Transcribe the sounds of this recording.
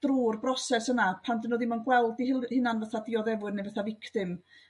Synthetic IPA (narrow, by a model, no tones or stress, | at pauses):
d̥ruːrbrɔsɛsənapʰandənɔðimanɡwɛlˠdihɪlhɪnanvəθadiɔðɛvwɨdnevəθavɪkʰtɪm